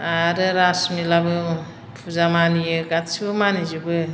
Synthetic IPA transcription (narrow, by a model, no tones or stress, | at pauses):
aɾɯɾasmilabɯ | pʰuzamanijɯɡatsʰuɯmanizubɯ